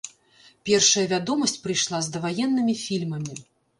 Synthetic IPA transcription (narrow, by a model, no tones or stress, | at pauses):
pʲɛrʂɐjɐvʲad̪ɔmɐsʲt͡sʲpɾɨjʂlˠazd̪ɐvajɛnːɨmʲifʲilʲmɐmʲi